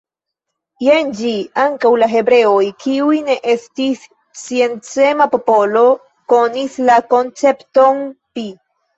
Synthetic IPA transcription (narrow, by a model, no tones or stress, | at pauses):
jend͡ʒiaŋkawlaɦe̞bɾe̞ojkiujne̞ʔe̞stisː | ie̞nt͡se̞mapo̞po̞lo̞ | ko̞nislako̞nt͡se̞pto̞npi